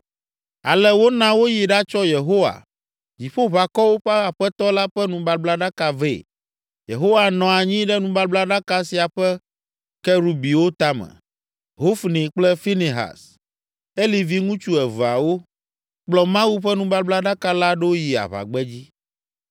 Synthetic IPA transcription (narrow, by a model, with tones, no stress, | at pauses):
a̰˨lɛ˦wo˦nã˦wo˦ji˨ɖa˦t͡ʃɔ˦je˨ɦo˦wa̰˨ | d͡ʑi˨ɸo˦βa˨kɔ˦wo˦ɸɛ˦a˨ɸɛ˦t̪ɔ˦la˦ɸɛ˦nũ˨ba˨bla˦ɖa˦ka˨vḛ˨ | jḛ˨ɦo˦wa˨nɔ̃˨a˨ɲĩ˦ɖɛ˦nũ˨ba˦bla˦ɖa˦ka˦si˨a˨ɸɛ˦ | kɛ˦ɾu˨bi˨wo˦t̪a˦mɛ̰̃˨ | ɦo˦fnĩ˨k͡plɛ˦fi˦ni˨ɦa̰˨s | e˦li˨vi˦ŋũ˦t͡ʃu˦ɛ˨vu˨a̰˨wo˦ | k͡plɔ˨mã˦wu˦ɸɛ˦nũ˦ba˦bla˦ɖa˦ka˦la˦ɖo˦o˦ji˨a̰˨βa̰˨ɡ͡bɛ˦d͡ʑi˦